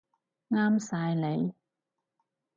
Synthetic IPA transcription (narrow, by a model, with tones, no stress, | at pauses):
ŋaː˥msaː˧jle˨˧j